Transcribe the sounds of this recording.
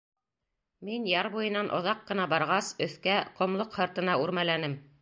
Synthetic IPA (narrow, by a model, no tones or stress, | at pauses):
minjɑɾbujɤ̆nɑnʔŏ̰ðɑqːɤ̆nɑbɑɾʁɑsɵ̆θkæqŏmlˠoqhɤ̆ɾt̪ɤ̆nɑʉɾmælænɘm